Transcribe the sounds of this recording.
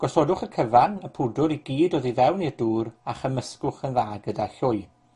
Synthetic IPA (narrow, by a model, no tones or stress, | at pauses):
ɡ̥ɔsɔdʊχəkʰəvanəpʰʊdʊɾiɡiːdɔːðiðɛwniəduːɾaχəməskʊχənðaːɡədaɬʊɨ